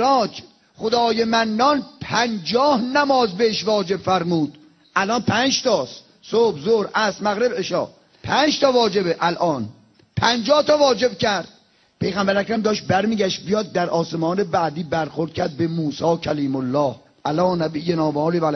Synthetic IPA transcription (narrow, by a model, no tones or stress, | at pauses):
ɾɒːt͡ʃʰ | χod̪ɒːjemænːɒːnpʰænd͡ʒɒːhnæmɒːzbeeʃvɒːd͡ʒe̞bfæɾmuːd̪̥ | ʔælɒːnpʰænd͡ʒt̪ʰɒːs | sobzoɾʔæsmæɣɾebeʃɒ̰ː | pʰæːnd͡ʒt̪ʰɒːvɒːd͡ʒe̞beʔælʔɒːn | pʰænd͡ʒɒːht̪ɒːvɒːd͡ʒe̞b̚cʰæɾd̪̥̚ | pʰe̞jɣæmbæɾækɾæmd̪ɒːʃt̪̚bæɾmiːɡæʃt̪̚bijɒːd̪̚ːæɾʔɒːse̞mɒːnebæːd̪iːbæɾxoɾd̪̚cʲʰæɾd̪̚be̞muːsɒːkʰæliːmolːɒːh | ʔælɒːnæbiːjenɒːbɒːlivæl